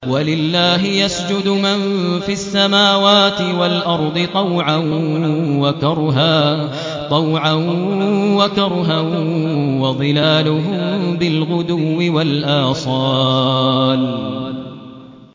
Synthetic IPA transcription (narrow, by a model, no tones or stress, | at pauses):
walɪlːaːɦɪjasd͡ʒʊd̪ʊmanfiʔasːamaːwaːt̪ɪwalʔɑɾˤd̪ˤɨt̪ˤɑwʕanwakɑɾˤɦaː | t̪ˤɑwʕanwakɑɾˤɦa | wɑðˤɨlaːlʊɦʊmbɪlɣʊd̪ʊwːɪwalʔaːsˤɑː | n